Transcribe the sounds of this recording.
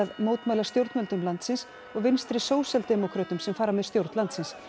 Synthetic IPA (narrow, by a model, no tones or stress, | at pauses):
aðmoːwt̪majlast̪jowɾt̪mœnt̪ʏmlant̪sɪns | ɔɣvɪnst̪ɾɪsoːwsjalt̪ɛmɔkʰɾœːt̪ʏmsɛmfaːɾamɛðst̪jowɾt̪nlant̪sɪns